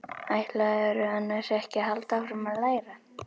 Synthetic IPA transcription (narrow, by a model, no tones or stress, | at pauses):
ajht̪laɛɾʏanːasɛhcɪɦalt̪awkɾɛmaðlaːjɾa